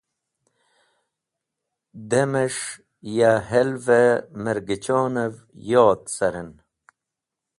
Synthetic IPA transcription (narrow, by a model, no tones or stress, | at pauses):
d̪emeʂ | jaɦelveməɾɡit͡ɕoːnɐv | joːt̪sɐɾen